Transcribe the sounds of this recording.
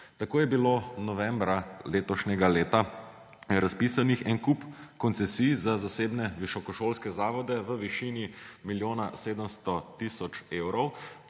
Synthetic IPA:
t̪akoːjɛbilonɔʋɛ̃mbɾaleːt̪ɔʃnɛɡaleːt̪a | ɾaspisanixɛnkupkɔnt̪sɛsiːjzazaseːbnɛʋiʃɔkɔʃoːlskɛzaːʋɔd̪ɛʋəʋiʃiːnimiljoːnaseːd̪əmst̪ɔt̪isɔt͡ʃewɾɔw

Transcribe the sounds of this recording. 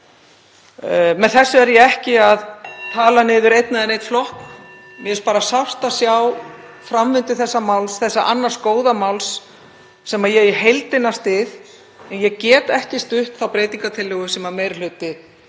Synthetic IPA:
mɛnθɛsːʏɛɾjɛɛhcɪaðt̪ʰaːlanɪːðʏɾejt̪naðɪnejt̪flɔhk | mɛɛspaːɾasafst̪asjaw | fɾamvɪnt̪ʏθɛsːamawlsθɛsːaʔa̰nːaɾ̥skoːwðamawlsː | ɛmajɛɣɪɦejlt̪ɪnast̪ɪð | ɛnjɛɣcɛːt̪ɛhcɪst̪ʏht̪θawpɾeːjt̪iŋkat̪ʰɪlːʏɣʏsɛmameːjɾl̥ʏːt̪ɪ

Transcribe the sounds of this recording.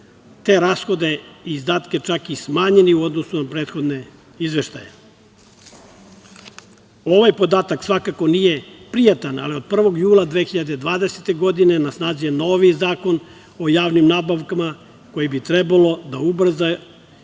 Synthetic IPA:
t̪e̞ːɾaːsxo̞d̪e̞iːzd̪aːt̪ke̞t͡ʃakismaːɲe̞niuo̞d̪no̞sunapɾe̞ːt̪xo̞d̪ne̞ | izʋe̞ʃt̪a̰jḛ | o̞ʋajpo̞d̪aːt̪aksʋakako̞nije̞pɾijat̪ana̰lio̞d̪̚pr̩ʋo̞ɡjuːlˠad̪ʋe̞ːxiʎad̪ed̪ʋaːd̪eset̪e̞ɡo̞d̪ine̞nasnaːzijeno̞ːʋizaːko̞n | o̞jaːʋnimnaːbaʋkama | ko̞jibit̪ɾebalˠo̞d̪aubr̩za

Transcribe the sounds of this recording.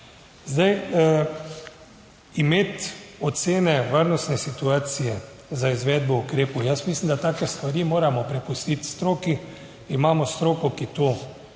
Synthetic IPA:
zd̪aj | imeːt̪ɔt̪seːnɛʋəɾnɔst̪nɛsit̪uaːt̪sijɛ | zaizʋɛːd̪̚bɔukɾeːpujasmislimd̪at̪aːkɛst̪ʋaɾimoːɾamɔpɾɛpust̪it̪st̪ɾoːki | imaːmɔst̪ɾoːkɔkit̪o

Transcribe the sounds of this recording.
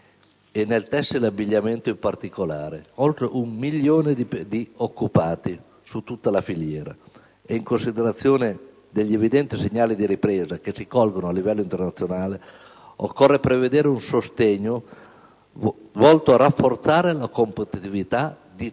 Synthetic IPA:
enːelt̪ɛsːilabːiʎːament̪oimpart̪ikolaːɾeolt̪ɾeʔummiʎːoːned̪d̪iokːupaːt̪i | sut̪ːut̪ːalafiʎjɛːɾa̰ | eiŋkonsid̪eɾat̪sːjoːne | d̪eʎːievid̪ɛnt̪iseɲːaːlid̪iɾipɾeːzakesikɔlɡonoalːivɛlːoint̪ernat̪sːjonaːle | o̰kːorːepɾeved̪eːɾeunsost̪eɲːo | vɔlt̪oarafːort̪saːɾelakompet̪it̪ivit̪a | d̪i

